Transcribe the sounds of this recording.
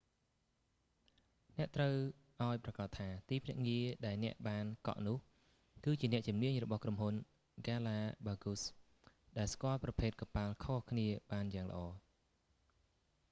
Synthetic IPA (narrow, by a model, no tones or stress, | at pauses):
nɛ̆əʔt̪rəw | ʔaɔjprɑkɑt̪ʰːaːt̪iːpʰnɛəʔŋiəɗaɛlnɛ̆əʔɓaːnkɑ̰ʔnʊ̆əh | kɨːt͡ɕiənɛəʔt͡ɕumniəɲrɔɓɑhkromɦun | ɡaːlaːɓaːɡus | ɗaɛlskŏəlprɑpʰeːt̪̚kɑpaːlkʰohkʰniəɓaːnjaːŋlə̰̆ʔɑː